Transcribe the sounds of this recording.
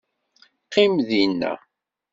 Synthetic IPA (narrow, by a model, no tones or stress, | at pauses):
qːimðinːæ̰